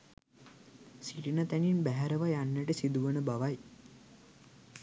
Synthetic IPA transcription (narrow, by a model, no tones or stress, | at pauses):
siʈinat̪æninbæɦæɾəʋajanːəʈəsid̪uʋənəbaʋaj